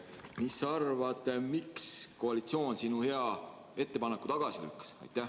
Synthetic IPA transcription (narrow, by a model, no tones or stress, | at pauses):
misːɑrvɑd̪̥miksko̞ɑlit̪sio̞ːnsinuhe̞ɑ | e̞t̪ːe̞pɑnekːu̥t̪ɑɡ̥ɑsily̰kːˑɑ̥sɑ̰jt̪ːˑæ